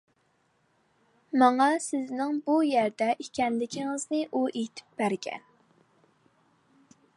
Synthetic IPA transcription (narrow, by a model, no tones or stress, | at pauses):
mɑŋɑsɪznɪŋbujæɾd̪ɛʔikʲʰɛnlɪkʲʰiŋɪznɪʔuʔet̪ʰɪ̥p̚b̥æɾɡʲɛ̰n